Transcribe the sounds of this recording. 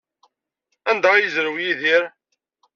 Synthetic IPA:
ænd̪æʁjəzɾəwjiðiɾ

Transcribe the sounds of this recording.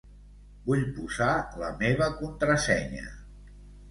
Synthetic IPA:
buʎpuzaləmeβ̞əkunt̪ɾəsɛɲə̰

